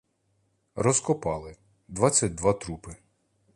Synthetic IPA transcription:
ɾɔskɔpɑlˠɪ | d̪ʋɑt͡sʲːɐt̚ʲd̪ʋɑt̪ɾupɪ

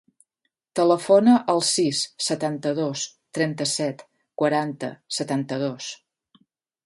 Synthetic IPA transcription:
t̪ələfonəʔəlˠsisːət̪ant̪əðost̪ɾɛnt̪əsɛt̪ | kwəɾant̪ə̰sət̪ant̪əðos

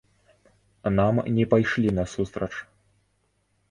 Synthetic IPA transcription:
namnʲɛpajʂlʲinɐsust̪ɾɐt͡ʂ

